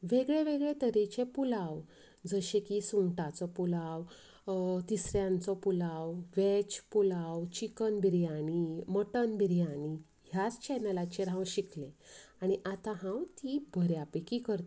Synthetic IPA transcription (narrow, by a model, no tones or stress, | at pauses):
ʋeɡɭeʋeɡɭet̪əɾet͡ɕepulaw | d͡zəɕẽkisũʈat͡sɔpulaw | t̪isɾjãnt͡sɔpulawʋet͡ɕpulawt͡ɕikənbiɾjañiməʈənbiɾjani | ɦjat͡st͡ɕɛnəlat͡ɕeɾãwɕiklẽaɽ̃iʔat̪ãɦãwt̪ibʱəɾjapekikəɾt̪